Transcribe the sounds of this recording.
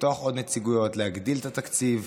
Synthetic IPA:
t̪oaχo̞d̪net͡siɡujo̞tlehaɡd̪ilet̪at̪akt͡siv

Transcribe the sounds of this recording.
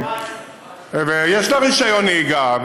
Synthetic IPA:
vejeʃlaʁiʃajoniɡa

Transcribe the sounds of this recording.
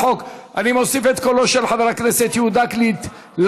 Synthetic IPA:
okʔanimo̞sifet̪koloʃelħaveʁakneset̪jiud̪aklit̪ | l

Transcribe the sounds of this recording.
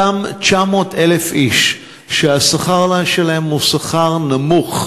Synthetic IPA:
amt͡ʃamo̞ːtele̞fʔiʃ | ʃeasaχaʁlaʃelahe̞mhusaχaʁnamuχ

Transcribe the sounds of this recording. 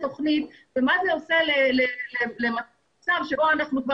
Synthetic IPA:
t̪o̞χnit̪vemazeo̞selelelelema | t͡savʃebo̞anaχnukva

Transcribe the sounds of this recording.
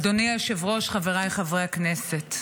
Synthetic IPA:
doniaʃevʁo̞ʃχaveʁajχavʁeakneset

